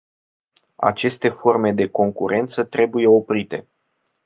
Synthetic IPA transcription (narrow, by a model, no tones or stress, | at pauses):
a̰t͡ʃe̞st̪e̞fo̞rme̞d̪e̞ko̞ŋkuɾʔe̞nt̪sət̪ɾe̞buje̞o̞pɾit̪e̞